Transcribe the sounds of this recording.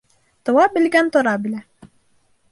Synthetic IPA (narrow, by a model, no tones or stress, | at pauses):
t̪ŏwɑbɘ̆lɡænt̪ŏɾɑbɘ̆læ